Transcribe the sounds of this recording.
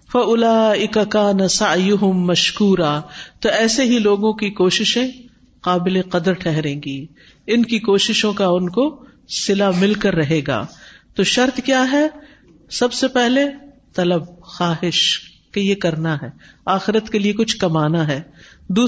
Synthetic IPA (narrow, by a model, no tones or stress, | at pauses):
fɐʊlaːɪkakaːnasɐʕjʊɦʊmːɐʃkuːɾaːt̪oɛːseɦiloːɡõkikoːʃɪʃẽ | qaːbɪleqɐd̪əɾʈʰɛɦɾẽːɡiː | ɪnkikoːʃɪʃõkaʊnko | sɪlamɪlkɐɾːɐɦeːɡa̰ːt̪oːʃɐɾt̪kjaːɦɛ | sɐbsepɛɦle | t̪ɐləb̚xaːɦɪʃ | kejekɐɾnaɦɛːaːxɪɾət̪keliekʊt͡ʃʰkɐmaːnaɦɛːd̪uː